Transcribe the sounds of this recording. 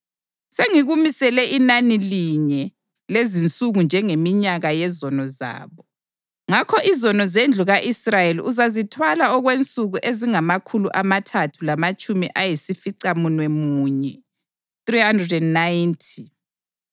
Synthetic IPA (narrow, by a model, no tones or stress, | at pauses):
seŋiɣumisɛlɛʔinaniliɲɛ | lezint͡sʼuɣund͡ʒʱɛŋemiɲaɣajɛzɔnɔza̰ːβɔ | ŋakʰɔʔizɔnɔzend͡ɮʱuɣaʔisrajelḭʔuzazitʰwalaɔɣwent͡sʼuɣuʔeziŋamakʰuluʔamatʰatʰulamat͡ʃʼumiʔajisifiǀamunwemuːɲɛ | θriɦandrɛdɛnnajntʰi̥